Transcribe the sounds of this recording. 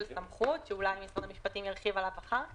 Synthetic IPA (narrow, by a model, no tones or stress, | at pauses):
lsamχut̪ʃeulajmisanamiʃpat̪imjaʁχivalapaχa